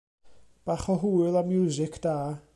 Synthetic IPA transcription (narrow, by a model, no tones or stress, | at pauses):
b̥aːχɔɦuːɨlˠamːjuːzɪkʰd̥aː